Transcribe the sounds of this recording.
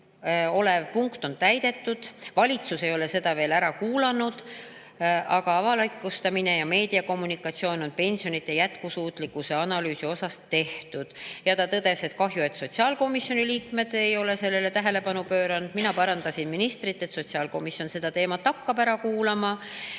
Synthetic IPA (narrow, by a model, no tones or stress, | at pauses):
o̞levpuŋkt̪o̞nt̪æjd̪e̞t̪ːud̪̥vɑlʲit̪suse̞jo̞le̞se̞d̪ɑve̞ːlæɾɑkuːlɑnud̪̥ | ʔɑɡ̥ɑɑvɑlɑkːust̪ɑmine̞jɑme̞ːd̪̥iɑko̞mːunikːˑɑt̪sio̞ːno̞npe̞nʲsijo̞nit̪ːˑejæt̪kusuːt̪ˑlikːˑuse̞ɑnɑlyːsio̞sɑst̪e̞ht̪ud̪̥jɑt̪ɑt̪ɤd̪e̞se̞t̪kɑɦjue̞t̪so̞t̪ʲsiɑːlko̞misjo̞niliːkme̞d̪̥e̞jo̞le̞se̞lːe̞le̞t̪æɦe̞le̞pɑnupøːɾɑnud̪̥minɑpɑɾɑnd̪̥ɑsinminist̪ɾit̪ːˑe̞t̪so̞t̪siɑːlko̞misjo̞nse̞d̪̥ɑt̪e̞ːmɑt̪hɑkːɑbæɾɑkuːlɑmɑ